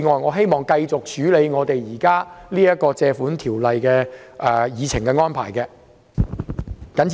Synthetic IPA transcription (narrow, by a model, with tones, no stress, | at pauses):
ŋɔː˨jŋɔː˨˧ɦe˥jmɔː˨˩ŋkɐ˧jt͡sʊ˨k̚t͡ʃyː˨˥le˨˧jŋɔː˨˧t̪e˨jjiː˨˩kaː˥liː˥jɐ˥t̚kɔː˧t͡sɛː˧fuː˨˥nt̪ʰiː˨˩wlɐ˨jkɛː˧ʔɛ˨jiː˨˧t͡sʰɪ˨˩ŋkɛ˧ŋɔː˥npʰa̰ː˨˩jkɛː˧ | kɐ˨˥n